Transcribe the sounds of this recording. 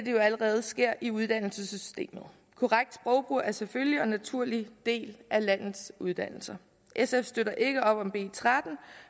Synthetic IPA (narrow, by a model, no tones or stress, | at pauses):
d̥e̝jo̝æləʁɛːð̞̩ˠsɡ̥e̝ɐ̰ʔiuð̞ˠd̥æn̰l̩səsysd̥e̝̰ːmð̩ˠ | kʰo̝ʁaɡ̥̚d̥sb̥ʁɒ̽ʊb̥ʁuæɐseføljiɒ̽nːæt͡sʰuɐ̰lid̥e̝̰ːlʔælæn̰ð̩ˠsuð̞ˠd̥æn̰l̩sɐ | ʔesefsd̥øɾɐʔe̝ɡ̥əɒ̽b̥ɒ̽mb̥e̝̰ːt͡sʰʁad̥n̩